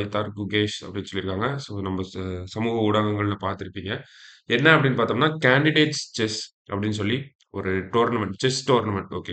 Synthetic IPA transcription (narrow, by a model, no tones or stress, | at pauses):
t̪ɐɾkʊɡeːʂɐ̰pːɐɽɪnːsɔlːɪɾɯkːaːŋɡɐsoːnɐmbɐsɐmuːɣɐʊɽɐŋɡɐŋɡɐɭnɐpaːɾt̪ɪɾɯpːiːŋɡɐ | ɛnːɐɐpːɐɽɪnːɯpaːɾt̪ːaːmɐnːaːkaːɳɖɪɽeːʈst͡ʃɛs | ɐpːɐɽɪnːɯs̬ɔlːi | ɔɾɯʈoːɾnɐmɛɳʈt͡ʃɛsʈoːɾnɐmɛɳʈo̰ːkeː